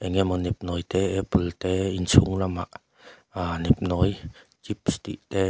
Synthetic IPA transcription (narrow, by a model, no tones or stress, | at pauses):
ʔɛŋɛmɔnɛp̚nɔjt̪ɛʔɛpult̪ɛint͡sʰuŋlamaʔ | anɛp̚nɔjt͡ɕip̚st̪iʔt̪ɛ